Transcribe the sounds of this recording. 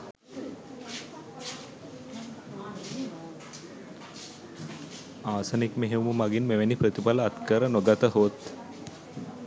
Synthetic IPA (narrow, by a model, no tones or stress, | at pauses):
aːsənikmeɦeuməmaɡinmeʋenipɾət̪ipaləat̪kəɾənoɡat̪əɦot̪